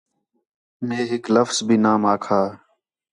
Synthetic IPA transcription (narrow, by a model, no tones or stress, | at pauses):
meːɦɪkləfzbʱiːnaːmaːkʰaː